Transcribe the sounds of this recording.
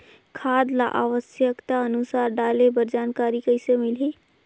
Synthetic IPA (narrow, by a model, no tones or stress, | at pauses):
kʰad̪la̰ʔaːʋəsjəkt̪aənusaːɾɖaːlebəɾd͡ʒaːnkaːɾikəɦɪsemɪlɦi